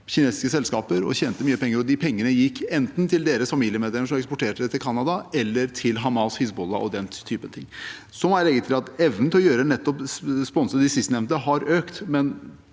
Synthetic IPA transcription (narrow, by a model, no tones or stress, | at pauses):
çɪneːsɪ̥skəsɛlskɑːpəɾɔ̰çɛːnt̪əmyːəpʰɛŋːəɾɔd̪ɪpʰɛŋːənəjɪkːɛnt̪n̩t̪ʰɪld̪eːɾəsfɑmiːlɪəmeːd̪ɛləʂɔmɛkspɔʈʰeːʈəɛt̪ʰɪlkʰɑnːɑd̪ɑɛlːəɾtʰɪlɦɑmɑshɪsbɔlːɑ̰ʔɔ̰d̪ɛnt̪ʰyːpənt̪ʰɪŋː | sɔmælɛɡːət̪ʰɪlɑt̪ɛʋnn̩t̪ʰɪlɔjøːɾənɛt̪ːɔpspɔnsəɪsɪst̪ənɛmnt̪əɦɑɾøːkt̪mɛn